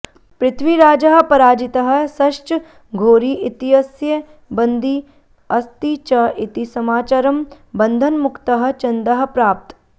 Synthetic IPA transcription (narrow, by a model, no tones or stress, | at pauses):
pɾɪt̪ʰʋiɾaːd͡ʒɐɦɐ̆pɐɾaːd͡ʒɪt̪ɐɦɐ̆sɐʃt͡ʃ | ɡʱoːɾiʔit̪iɦɐsjɐ | bɐ̃nd̪ʱi | ɐst̪it͡ʃɐʔɪt̪isɐmaːt͡ʃɐɾɐm | bɐnd̪ʱɐnmʊkt̪ɐɦɐ̆t͡ʃɐnd̪ɐɦɐ̆pɾaːp̚t̪